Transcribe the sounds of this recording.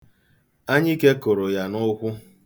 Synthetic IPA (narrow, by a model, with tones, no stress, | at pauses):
a˦ɲɪ˦ke˦ko˨ɾo˨ja˨nʊ˦kʷʊ˦